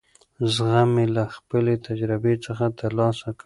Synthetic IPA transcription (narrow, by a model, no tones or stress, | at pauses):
zɣamelaxpəlet̪ʰad͡ʒɾɪbet͡səxat̪əɾlɑsaka